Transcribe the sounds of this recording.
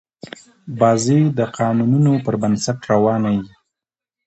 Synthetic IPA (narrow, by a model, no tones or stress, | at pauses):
bɑzed̪əqʰɑnununopəɾbansaʈɾawɑnaji